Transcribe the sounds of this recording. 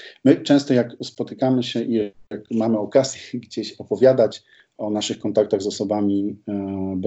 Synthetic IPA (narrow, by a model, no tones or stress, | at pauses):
mɘt͡ʂɛ̃w̃st̪ɔjakspɔt̪ɘkamɘɕɛʔiakmamɘɔkazʲjɛɡd͡ʑeɕɔpɔvʲjad̪at͡ɕ | ɔnaʂɘxkɔnt̪ak̚t̪aɣzɔsɔbamʲi | b